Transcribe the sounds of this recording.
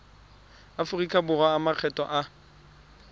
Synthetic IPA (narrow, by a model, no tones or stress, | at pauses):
afʊrikʼabʊrwaːmaq͡χʰɛtʼɔ̰ʔa